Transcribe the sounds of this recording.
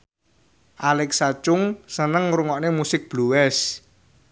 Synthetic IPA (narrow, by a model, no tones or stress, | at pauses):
ʔalɛksat͡ʃʊŋsənəŋruŋɔʔnemusɪk̚b̥luwɛs